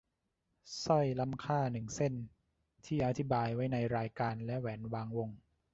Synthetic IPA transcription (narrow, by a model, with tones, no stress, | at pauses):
sɔ˥˩jla˦˥˩mkʰaː˥˩nɯ˨˩ŋse˥˩n | t̪ʰiː˥˩ʔa˧t̪ʰi˦˥baː˧jwa˦˥jna˧jɾaː˧jkaː˧nlɛ˦˥ʔwɛː˩˦nwaː˧ŋwo˧ŋ